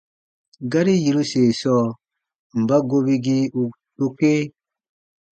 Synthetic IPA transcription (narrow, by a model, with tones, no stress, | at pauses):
ɡa˦ɾi˦ji˨ɾu˦seː˨sɔː˦ | m̩˨ba˦ɡo˦bi˦ɡi˦u˨ | to˦ke˦